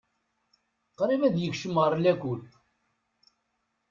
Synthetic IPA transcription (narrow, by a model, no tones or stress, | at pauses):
qɾˤivæðjəçʃəmɾˤlækʷul